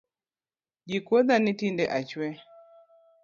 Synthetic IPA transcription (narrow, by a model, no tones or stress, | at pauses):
d͡ʒikoðanitindɛʔat͡ʃwɛ